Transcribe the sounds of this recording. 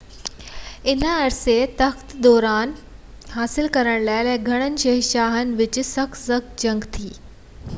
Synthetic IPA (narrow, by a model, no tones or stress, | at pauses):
ɪnəːɾset̪ɐxt̪d̪ɔːɾaːn | haːsɪlkɐɾəɽ̃laːɪlɛ̃ːɡʱɐɽ̃ənɪ̆ɕɐɦiʃaːɦənɪ̆ʋɪt͡ɕsɐksɐkd͡ʑɐ̃ŋɡt̪ʰiː